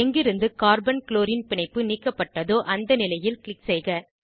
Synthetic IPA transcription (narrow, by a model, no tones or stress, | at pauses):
ɛŋɡɪɾɯnd̪ɯkaːɾbɐnkloːɾɪnpɪɳɐɪpːɯniːkːɐpːɐʈːɐðoːʔɐnd̪ɐnɪlɐjɪlkɭɪksɛɪɣɐ